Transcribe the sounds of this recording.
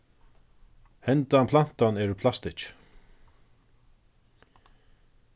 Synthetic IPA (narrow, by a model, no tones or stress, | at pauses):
hɛnt̪apʰlan̥t̪anɛːɾʏpʰlast̪ɪt͡ʃ